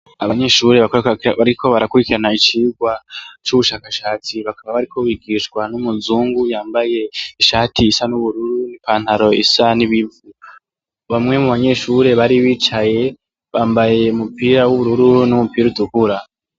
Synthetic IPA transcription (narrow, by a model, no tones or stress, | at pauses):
aβaɲe̞ʃuːɾe̞βakβaɾikʰo̞βaɾakuɾikiɾanait͡ʃiːɡwat͡ʃuβuʃaːkaʃaːt͡siβakaβaβaɾikʰo̞βiɡiːʃkwanumuzuːŋɡujaːmbaje̞iʃaːtʰiːsanuβuɾuɾunipaːnhaɾo̞isaniβivu | βamŋe̞muβaɲe̞ʃuɾe̞βaɾiβiːt͡ʃaje̞ | βaːmbaje̞umupiɾawuβuɾuɾunumupiːɾudukuɾa